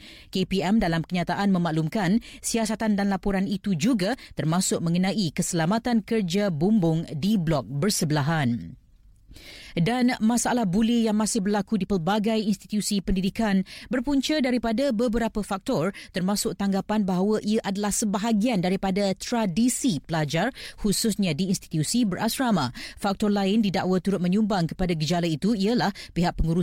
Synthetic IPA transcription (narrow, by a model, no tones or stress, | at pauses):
kepiɛmdalamkəɲat̪aʔanmə̃mãʔlumkansiasat̪andanlapɔɾanit̪ud͡ʒuɡat̪ərmãsʊk̚mə̃ŋənãʔikəsəlamat̪ankərd͡ʒabumbʊŋdiblɔk̚bərsəbəlaɦan | danmãsaalahbulɪjaŋmãsɪhbərlakudipərbaɡajinst̪i̥t̪usipəndidikanbərpuɲt͡ʃədaɾipadabəbəɾapəfak̚t̪ɔrt̪ərmãsʊk̚t̪aŋɡapanbaɦawəʔiaʔadalahsəbaɦaɡiandaɾipadat̪ɾadisipəlad͡ʒarhusʊsɲãdiːnst̪i̥t̪jusibərʔasɾamafak̚t̪ɔrlaɪndidaʔwət̪uɾʊt̪̚mə̃ɲũmbaŋkə̥padaɡəd͡ʒalait̪uiəlahpiɦaʔ̚pəŋuɾu